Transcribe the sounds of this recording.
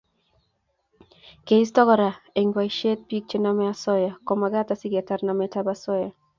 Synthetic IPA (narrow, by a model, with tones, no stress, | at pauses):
ke˨i˦stɔ˦ɡɔ˦ɾa˨e˨ŋɡwa˨iʃe˦t̚pi˦k̚t͡ʃe˦na˦mɛ˦a˦sɔ˦jɔ˨kɔ˨ma˨ɡa˦ta˨sɪ˦ɡa˨ta˦rna˨mɛta˦basɔ˦jɔ˨